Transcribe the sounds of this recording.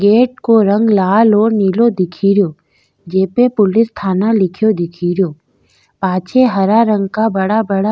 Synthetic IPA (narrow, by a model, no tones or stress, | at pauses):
ɡeːʈ̚koɾə̃ŋɡlaːloːɾniːlod̪ɪkʰiːɾjoː | d͡ʒeːpepʊlɪst̪ʰaːnalɪkʰjod̪ɪkʰiːɾjoː | paːt͡ʃʰeɦɐɾaɾə̃ŋɡkabəɽabəɽa